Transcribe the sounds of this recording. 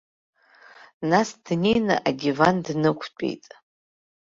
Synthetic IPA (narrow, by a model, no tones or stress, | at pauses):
nasd̥nejnɨa̰ʔadʲivandnɨkʷʰt͡pʷʼḛjtʼ